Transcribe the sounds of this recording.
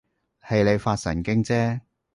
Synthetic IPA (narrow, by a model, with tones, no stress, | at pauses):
hɐ˨jle˨˧jfaː˧t̚sɐ̰˨˩nkɪ˥ŋt͡sɛː˥